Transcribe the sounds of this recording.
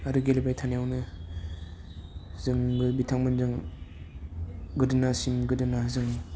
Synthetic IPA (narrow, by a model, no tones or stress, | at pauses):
aɾuɡelebajtʰanijawnɯ | zɯŋbɯbitʰaŋmɯnzɯŋ | ɡɯdɯnasimɡɯdɯnazɯŋ